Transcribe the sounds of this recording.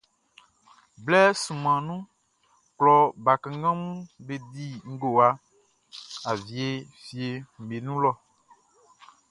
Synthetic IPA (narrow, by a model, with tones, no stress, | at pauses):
blɛ˦sũ˨mã˨nũ˦ | klɔ˨ba˨kã˨ŋ˦ɡã˦mũ˦be˨di˦ŋ̩˦ɡo˨a˨ | a˨vi˨e˨ | fi˨e˨m̩˨me˨nũ˦lɔ˦